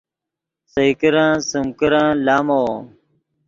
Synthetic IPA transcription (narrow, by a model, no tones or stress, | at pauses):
səikəɾãːsəmkəɾãːlaːmoː